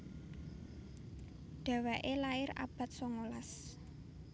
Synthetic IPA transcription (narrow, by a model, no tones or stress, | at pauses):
ɖ̥a̤waʔelaɪra̰b̥a̤t̪̚sɔŋolas